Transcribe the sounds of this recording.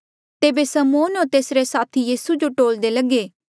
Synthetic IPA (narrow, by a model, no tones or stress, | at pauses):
t̪eːbesəmoːnoːt̪eːsɾesaːt̪ʰijiːsud͡ʒoʈoːld̪eləɡeː